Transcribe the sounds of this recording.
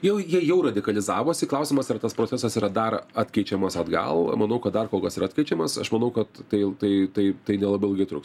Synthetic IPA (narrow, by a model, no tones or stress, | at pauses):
jɛʊjiɛjɛʊrɐdʲɪkɐlʲɪzɑːʋoːsʲɪklˠɐʊsʲɪmɐsɪɾt̪ɐspɾoːt͡ssʲɛsɐsiːɾɐd̪ɐrɐt̪ʲkʲɛɪt͡ʃʲɛmɐsɐd̪ɡɐ̰lˠmɐnɐʊkɐt̪d̪ɐrkoːlˠkɐsiːɾɐːt̪ʲkʲɛɪt͡ʃʲɛmɐsɐ̰ʃmɐnɐʊkɐt̪tɐɪt̪ɐɪt̪ɐɪt̪ɐɪnʲɛlˠɐbɐɪlˠɡɐɪt̪ɾʊks